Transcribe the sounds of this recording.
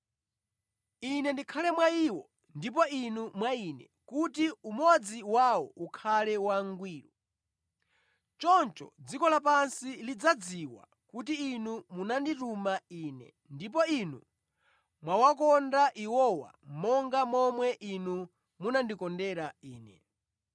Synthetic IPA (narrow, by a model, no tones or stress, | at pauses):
inɛndikʰalɛmwaiwɔ | ndip̬ɔinumwaiːnɛ̰ | kutiumɔd͡ziwawɔukʰalɛwaŋɡwiːɾɔ | t͡ʃɔnt͡ʃɔ̰d͡zikɔlap̬ansilid͡zad͡ziwa̰ | kut̬iːnumunanditumaiːnɛ̰ | ndip̬ɔinṵ | mwawak̬ɔndaʔiwɔwa̰mɔŋɡamɔmwɛʔinu | munandikɔndɛɾaiːnɛ̰